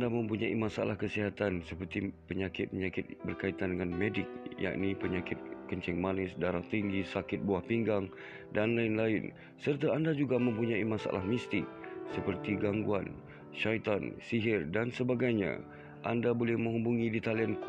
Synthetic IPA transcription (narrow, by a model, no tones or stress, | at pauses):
damə̃mpuɲaḭmasa̰lahkəsiɦat̪ansəpərt̪ipəɲakɪt̪̚pəɲakɪt̪̚bərkait̪andəŋanmedɪk̚ja̰ʔnipəɲakɪt̪̚kəɲt͡ʃɪŋmanɪsdaɾaht̪iŋɡisakɪt̪̚buahpiŋɡaŋ | danlaɪnlaɪn | sərt̪aandad͡ʒuɡamə̃mpuɲãimasa̰la̰hmist̪ɪsəpərt̪iɡaŋɡuan | ʃajt̪ansiɦɪrdansəbaɡajɲa̰ | ʔandabolɛhmə̃ŋubuŋidit̪aliank